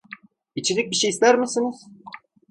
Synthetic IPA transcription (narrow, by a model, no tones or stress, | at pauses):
it͡ʃʰiɾic̚biʃejːslʲæɾmisiniz̥